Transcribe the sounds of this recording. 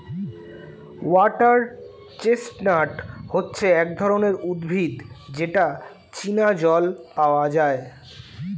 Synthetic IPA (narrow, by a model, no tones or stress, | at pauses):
waʈaɾ | t͡ɕesʈnaʈhotːɕʰeɛk̚d̪ʱɔɾoneɾud̪bʱid̪d͡ʑeʈa | t͡ɕinad͡ʑɔlpaoad͡ʑae